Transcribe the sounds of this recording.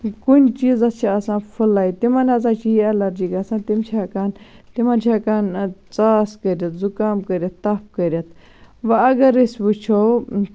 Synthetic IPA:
kunʲt͡ʃiːzɐst͡ʃʰiɐsãːfʰulːaːit̪imɐnɐzaːt͡ʃʰiɐlɐɾd͡ʒiːɡɐsãːnt̪imt͡ʃʰakaːn | t̪imant͡ʃʰaːkaːnt͡saːskɐɾʲɐt̪zukaːmkɐɾʲjɐt̪ːɐpʰkɐɾʲɐt̪ʰ | ʋɐɐɡɐɾisʲʋut͡ʃʰo

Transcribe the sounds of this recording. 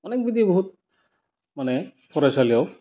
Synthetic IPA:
ɔnek̚bid̪ʱibɔɦut̪̚ | manɛpʰɔɾasʰalijɔw

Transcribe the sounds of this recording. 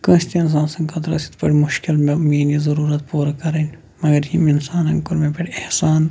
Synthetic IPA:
kə̃st̪iɪns̬aːnsɐŋkɐd̪ɾɐ̰sit̪pɐʈʰʲmʊʃkɪlmemiːnizɐɾuːɾɐt̪puːɾɐkɐɾɐn | mɐɡɐɾimɪnsaːnɐ̃ŋkʊɾmepɐʈehsaːn

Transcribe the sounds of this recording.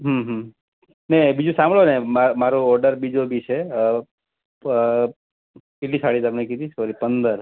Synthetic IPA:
ɦəmɦə | nebid͡ʒũsãmbɭonemamaɾoɔɾɖəɾbid͡ʒobʱit͡ʃʰe | keʈlisaɭit̪amnekid̪it͡ʃʰɔɾipənd̪əɾ

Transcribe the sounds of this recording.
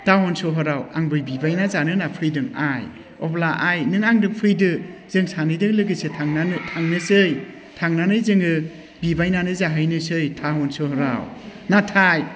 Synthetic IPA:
taɦɔnsɔɦɔɾawaŋbɯjbibajnazanɯnapʰɯjdɯŋa̰j | ɔblaʔajnɯŋaŋdɯŋpʰɯjdɯz̥ɯŋsanɯjdɯŋlɯɡɯsetʰaŋnatʰaŋnɯsɯj | tʰaŋnanɯjzɯŋɯ | bibajnanɯzaɦɯjnɯsɯjtʰaɦɔnsoɦɔɾa̰wnatʰaj

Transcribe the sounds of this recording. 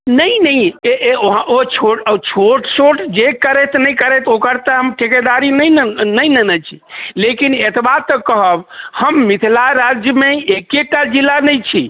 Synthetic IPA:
nəjnəjeoɦãʔot͡ʃʰoʈət͡ʃʰoʈsoʈd͡ʒekəɾɛt̪ʰnəjkəɾɛt̪ʰokəɾt̪əɦəmʈeked̪aɾinəjnənəjnənət͡ʃʰilekinet̪ʰbat̪ːəkəɦəbhəmːit̪ʰlaɾad͡ʒjəmeekeʈːad͡ʒilːanəjt͡ʃʰḭ

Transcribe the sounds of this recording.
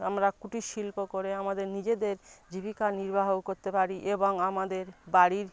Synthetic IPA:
amɾakuʈiʃilpokoɾeamad̪eɾnid͡ʑed̪eɾd͡ʑibikaniɾbaɦokoɾt̪epaɾiʔeboŋamad̪eɾbaɽiɾ

